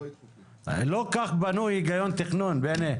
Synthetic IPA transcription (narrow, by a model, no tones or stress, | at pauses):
lokaχbanuhiɡajont̪eχnunbene